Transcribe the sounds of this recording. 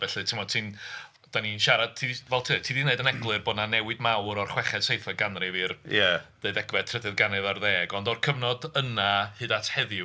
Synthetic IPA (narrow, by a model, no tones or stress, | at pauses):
v̥ɛɬɨtʰɪmɔd̥̚tʰiːn | d̥aninʃaɾad̥̚tʰivɛlˠtʰɨːtʰiːdineɨdənɛɡlˠɨrboːdnanɛwɨdmawɾɔrχwɛχɛd̥sejθaɡanriviːrjaneɨdɛɡvɛtʰrədɨðɡanɛðarðeːɡɔndɔrkʰəvnɔdənahɨːdatʰhɛðɪ